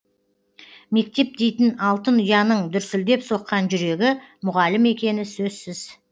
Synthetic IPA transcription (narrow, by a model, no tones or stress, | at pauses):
me̞k̚t̪e̞p̚d̪e̞jt̪ɪnɑlˠt̪ənʊjɑnəɴd̪ʏɾsɪld̪e̞pso̞qːɑnʒʏɾe̞ɡʲɪmʊʁɑlɪme̞kʲe̞nɪsɵzsɪz̥